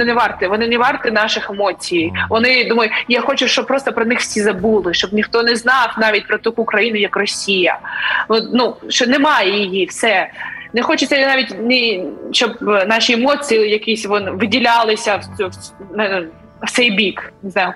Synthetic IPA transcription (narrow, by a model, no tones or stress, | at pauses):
nɪnɛʋɑrt̪ɪʋɔnɪnɛʋɑrt̪ɪnɑʃɪxemɔt͡sʲijijʋɔnɪd̪umɐjʊjaxɔt͡ʃʊʃt͡ʃɔb̚pɾɔst̪ɔpɾɔnɪxwsʲizɐbulˠɪʃt͡ʃɔbnʲixt̪ɔnɛznɑknɑʋʲit̚ʲpɾɔt̪ɔkukɾɐjinʊjɐkrɔsʲijɐ̰ɔnuʃt͡ʃɔnɛmɑjɛjijifsɛnɛxɔt͡ʃɪt͡sʲːɐjnɑʋʲitʲnɪʃt͡ʃɔbnɑʃiemɔt͡sʲijjɐkisʲʋɔnʋɪdʲilʲɑlˠɪsʲɐ | n | w̥t̪sɛjbʲiknɪznɑjʊ